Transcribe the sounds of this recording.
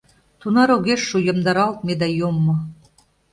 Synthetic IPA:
t̪unɑɾoɣeʃːujə̆md̪ɑɾɑlt̪̚med̪æjomːŏ

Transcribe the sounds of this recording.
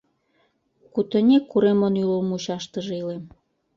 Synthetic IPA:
kut̪ə̆nʲekːuɾemonylolmuɕɑʃt̪ə̆ʒĕilem

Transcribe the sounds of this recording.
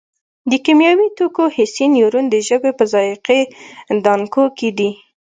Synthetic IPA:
d̪əkimjɑwit̪okohɪsinjoɾund̪əʒəbepəzɑjɪqed̪ɑŋkoked̪i

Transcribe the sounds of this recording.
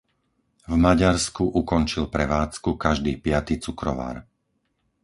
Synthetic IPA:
vmaɟaɾskuʔukɔnt͡ʃilpɾɛʋaːt͡skukaʒd̪iːpɪat̪iːt͡sukɾɔ̰ʋa̰ːɾ

